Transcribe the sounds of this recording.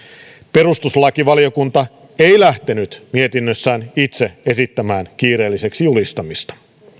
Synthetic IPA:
pe̞ɾust̪uslɑkiʋɑlio̞kunt̪ɑ | e̞jlæht̪e̞nyt̪mie̞t̪inːøsːæːnit̪se̞e̞sit̪ːæmæːnkiːɾe̞ːlːise̞ksijulist̪ɑmist̪ɑ̥

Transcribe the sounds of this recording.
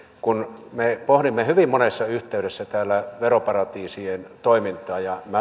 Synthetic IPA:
kunmepohɾimːehyʋimmonesːɑyht̪ˑeyɾesːæt̪æːlːˑæʋeropɑrɑt̪iːsient̪oimint̪ˑɑːjɑmæ

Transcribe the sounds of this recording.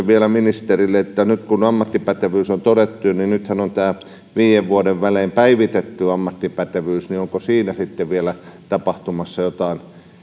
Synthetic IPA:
ʋielæminist̪erilːeet̪ːænyt̪kunɑmːɑt̪ːipæt̪eʋyːsont̪oɾet̪ːujɑninnyt̪hænont̪æː | ʋiːjeʋʋuodeʋʋæleːmpæiʋit̪et̪ːyɑmːɑt̪ːipæt̪eʋyːsnioŋkosiːnæsit̪ːeʋʋielæt̪ɑpɑht̪umɑsːɑjot̪ɑˑin

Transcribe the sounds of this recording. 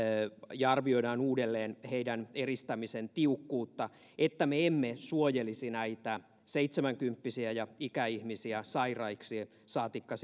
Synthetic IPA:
jɑɑrʋio̞idɑːnuːdelːeːnheidænerist̪æmisent̪iukːuːt̪ːɑ | ʔet̪ːæmeemːesuojelisinæit̪æ | seit̪semæŋkympːisiæjɑikæihmisiæsɑirɑiksi | sɑːt̪ikːɑs

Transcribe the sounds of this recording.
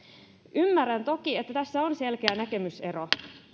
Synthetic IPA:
ʔymːærænt̪o̞kiet̪ːæt̪æsːæonse̞lkeænæke̞myse̞ɾo

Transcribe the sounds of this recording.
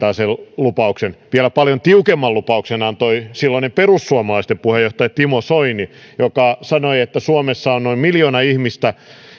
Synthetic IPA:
ɑːsellupɑuksenʋiælæpɑljont̪iukemːɑllupɑuksenɑnt̪oisilːɑnemperusːuɑmɑlɑist̪empuhejoht̪ɑjɑt̪imosoinijokɑsɑnoiet̪ːæsuɑmesːɑonnoimmiljoːnɑihmist̪æ

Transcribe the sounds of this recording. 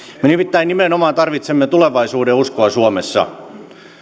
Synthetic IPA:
menimit̪ːæinimenomɑːt̪ɑrʋit̪semːet̪uleʋɑisuːdeuskoɑsuɑmesːɑ̰

